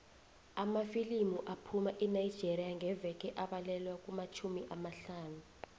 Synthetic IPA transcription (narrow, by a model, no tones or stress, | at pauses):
amafilimuʔapʰumaʔɛnajid̥d͡ʒ̥ʱerijaŋʱɛvɛk̬ʼɛʔaɓalɛlwak̬ʼumat͡ʃʰumiʔamaɬaːnu